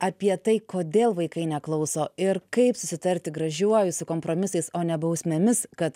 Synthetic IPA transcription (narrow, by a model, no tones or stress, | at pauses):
ɐpʲiɛt̪ɐɪkoːd̪ʲeːlˠʋɐɪkɐɪnʲɛklˠɐʊsoːɪɾkɐɪpsʊsʲɪt̪ɐɾʲt̪ʲɪɡɾɐʒʲuɔjʊsʊkoːmpɾoːmʲɪsɐɪsoːnʲɛbɐʊsʲmʲemʲɪskɐt̪